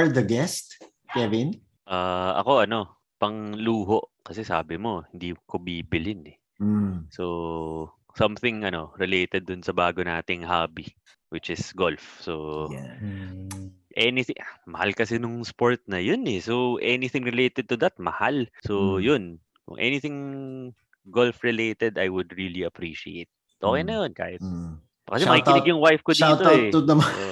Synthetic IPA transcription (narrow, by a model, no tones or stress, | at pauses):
ɹd̪ɐɡɛst̪̚ | kɛvɪn | ʔaːʔɐ̰ko̞ʔɐno̞ | pɐŋluːɦo̞ʔkɐsɛsaːbɪmo̞hɪnd̪ikobiːbɪlɪnɛ | so | sɐmθɪŋʔɐno̞ɾɪlejt̪ɛd̪̚ːʊnsɐbaːɡona̰ːt̪ɪŋhaːbi | wɪt͡ʃɪsɡolfso | ʔɛnɪθɪʔmɐhalkɐsɛnʊŋspoɹt̪̚nɐjonɛsoʔɛnɪθɪ̃ŋɹɪlejt̪ɛd̪̚t̪ʊd̪ɐt̪̚mɐhalsojʊn | kʊ̰ŋʔɛ̰nɪθɪŋ | ɡolfɹɛlet̪ɛd̪ɐjwʊd̪ɹiliɐpɹiʃiḛt̪̚ | ʔoːkɛjnɐjonka̰ːhɪt̪ | kɐsɛɐkik̪ɪɪɡjʊŋwajfkoːt̪oɛʊd̪ɐmao